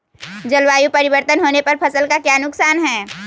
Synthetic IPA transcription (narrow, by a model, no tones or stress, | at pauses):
d͡ʒɐlʋaːjũpɐɾɪʋəɾt̪ənɦoːnepɐɾpʰɐsəlkakjaːnʊksaːnɦɛː